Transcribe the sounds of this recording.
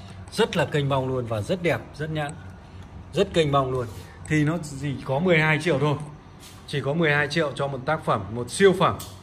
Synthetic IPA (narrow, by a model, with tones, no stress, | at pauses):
zə˦˥t̚laː˨˩kə˧jŋ̟ɓa˧wŋ͡mlu˧ənvaː˨˩zə˦˥t̚ɗɛ˨˩p̚zə˦˥t̚ɲa̰˧˨n | zə˦˥t̚kə˧jŋ̟ɓa˧wŋ͡mlu˧ən | t̪ʰi˨˩nɔ˨˦zi˧˨˩kɔ˨˦mɨ˨˩əjhaː˧jt͡ɕḭ˧˨əwt̪ʰo˧j | t͡ɕi˧˩kɔ˨˦mɨ˨˩əjhaː˧jt͡ɕḭ˧˨əwt͡ɕɔ˧mo˨˩t̚t̪aː˦˥k̚fə˧˩mːo˨˩t̚si˧əwfəː˧˩m